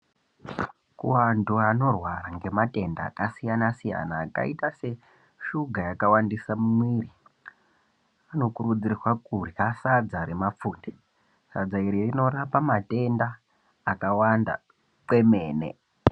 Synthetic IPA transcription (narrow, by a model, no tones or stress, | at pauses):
kuwanduano̞rwaraŋɡe̞mate̞nda̰ːkasijanasija̰naːka̰itase̞ | ʃuɡʱajakawandisamumwiːri | ano̞kuɾud͡zirrwakuriasad͡zaɾemap͡fuːnde | sa̰d͡zaiɾirino̞rapamate̞ndaː | kawanda̰ | kwe̞meːnḛ